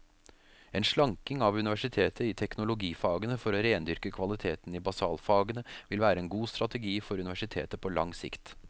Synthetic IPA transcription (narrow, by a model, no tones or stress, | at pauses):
ɛːnʂɭɑŋkɪŋɑʋʉnɪʋæʂɪt̪ʰeːt̪ʰəɪt̪ʰɛknʊlʊɡiːfɑːɡənəfɔɾɔɾeːnd̪ʏɾkəkʰʋɑlɪt̪ʰeːt̪n̩ɪbɑsɑːlfɑːɡənəʋɪlʋæːɾəɛːnɡuːst̪ɾɑt̪əɡiːfɔɾʉnɪʋæʂɪt̪ʰḛːt̪əpʰɔlɑŋsɪ̰kt̪